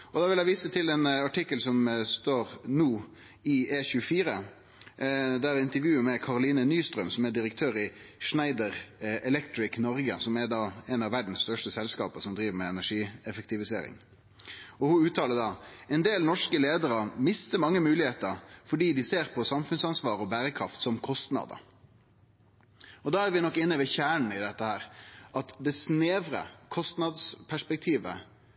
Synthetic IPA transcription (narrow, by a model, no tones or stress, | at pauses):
ɔd̪ɑʋɪlæɪʋiːsət̪ʰɪlɛnɑʈʰɪkːəlsɔmst̪oːɾnuː | ɪeːçʉəfiːɾə | d̪æɾɪnt̪əɾʋjʉːəmɛkʰɑʁʊliːnənyːst̪ɾœmsɔmɛd̪ɪɾəkt̪ʰøːɾɪʂnæɪd̪əɾɛlɛkt̪ɾɪknɔɾɡəsɔmɛɾd̪ɑːɛnɑʋæɖn̩sst̪œʂʈəsɛlskɑ̰ːpəsɔmd̪ɾiːʋəmɛɛnæʂiːɛfək̚t̪ɪʋɪsḛːɾɪ̰ŋ | ɔhʊʉːt̪ʰɑːləd̪ɑːɛnd̪eːlnɔʂkəleːd̪əɾəmɪst̪əmɑŋːəmʉːlɪheːt̪əɾfɔɖiːd̪ɪseːɾpʰɔsɑmfʉnsɑnsʋɑːɾəɔbæːɾəkʰɾɑft̪sɔmkʰɔst̪nɑ̰ːd̪ə̰ | ɔd̪ɑːæɾʋɪnɔkːɪnːəʋɛçæːɳɳ̩n̩ɪd̪ɛt̪ːəhæːɾʔɑt̪d̪ɛsneːʋɾə̰kʰɔst̪nɑd̪spʰæʂpɛk̚t̪ʰiːʋə̰